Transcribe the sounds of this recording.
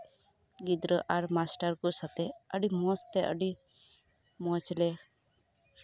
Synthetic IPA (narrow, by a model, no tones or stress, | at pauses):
ɡid̪ɾəʔaɾmasʈaɾkɔsat̪ɛəɖimɔst̪ɛʔə̰ɖi | mɔt͡ʃlɛ